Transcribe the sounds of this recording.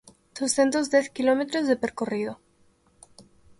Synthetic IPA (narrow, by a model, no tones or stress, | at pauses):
d̪osθent̪ozðjeθkilo̞met̪ɾozðepeɾkorið̞o